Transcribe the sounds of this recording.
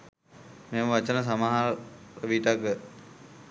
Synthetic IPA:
meːməʋat͡ʃənəs̬amaɦaʋiʈakə

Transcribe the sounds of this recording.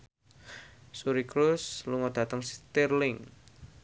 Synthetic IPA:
suɾikɾusluŋɔd̥ä̤t̪əŋst̪irlɪŋ

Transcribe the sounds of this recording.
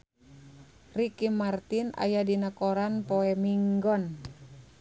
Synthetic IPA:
rikimart̪ina̰jadinakoɾanpoɛmiŋɡɔn

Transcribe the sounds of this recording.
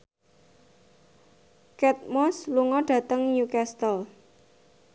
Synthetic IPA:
kɛt̪̚mɔsluŋɔɖ̥ä̤t̪əŋjukɛst̪əl

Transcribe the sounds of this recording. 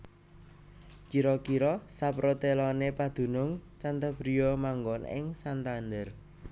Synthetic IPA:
kiɾɔkiɾɔsapɾot̪elɔnepad̪̥ṳnʊŋt͡ʃant̪əb̥ɾijɔmaŋɡɔnɪ̰ŋsant̪and̪ər

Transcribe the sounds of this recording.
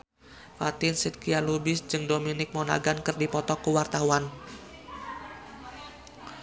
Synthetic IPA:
fat̪ɪnsit̪̚kialubɪsd͡ʒɨŋdominɪk̚mɔna̰ɡankɨrdipɔt̪ɔkəwart̪auwan

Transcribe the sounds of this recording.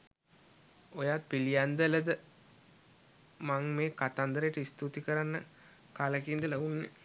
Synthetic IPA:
ojaːt̪̚pilijand̪ələd̪ə | maŋmeːkat̪and̪əɾəjəʈəist̪ut̪ikəɾanːə̰ | kaləkind̪əlaʋunːḛ

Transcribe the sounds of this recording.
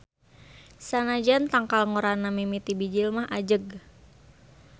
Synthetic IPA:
sanad͡ʒant̪aŋkalŋoɾanamimit̪ibid͡ʒilmaɦʔad͡ʒəɡ

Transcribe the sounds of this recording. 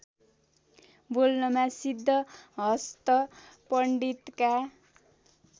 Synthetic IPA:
bolnʌmasid̪ʱːʌɦʌst̪ʌpʌɳɖit̪ka

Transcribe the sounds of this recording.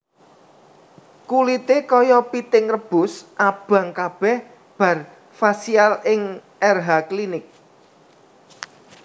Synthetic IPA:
kulit̪ekɔjɔpit̪ɪŋrəb̥ʊ̤sʔab̥ä̤ŋkab̥ɛh | b̥ä̤r | fasialɪŋ | ɛrɦaklinɪk̚

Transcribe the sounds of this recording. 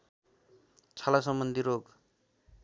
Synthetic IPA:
t͡sʰalas̬ʌmbʌnd̪ʱiɾoɡ

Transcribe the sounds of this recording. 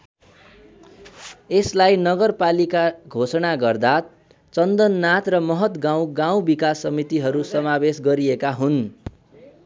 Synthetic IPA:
eslajnʌɡʌrpalikaɡʱosʌnaɡʌrd̪a | t͡sʌnd̪ʌnːat̪rʌmʌɦʌt̪ɡãw̃ɡaw̃bikasːʌmit̪iɦʌɾusʌmabesɡʌɾiekaɦun

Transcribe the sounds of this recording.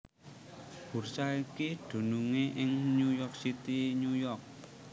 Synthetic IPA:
b̥ṳrsaikiɖ̪̥ṳnuŋeʔɪŋnujɔk̚sit̪iɲujɔrk̚

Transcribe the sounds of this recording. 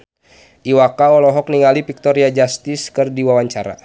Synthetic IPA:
ʔiwakaɔlɔɦɔk̚niŋalipik̚t̪ɔɾiad͡ʒast̪iskɨrdiwawaɲt͡ʃaɾa̰

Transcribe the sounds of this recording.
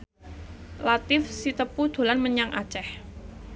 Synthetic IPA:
lat̪ɪfsit̪əpud̪̥o̤lanməɲaŋa̰̥t͡ʃɛh

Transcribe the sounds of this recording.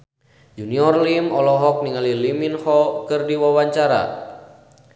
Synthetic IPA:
d͡ʒuniɔrlimɔlɔɦɔk̚niŋaliliminhɔkɨrdiwawaɲt͡ʃaɾa̰

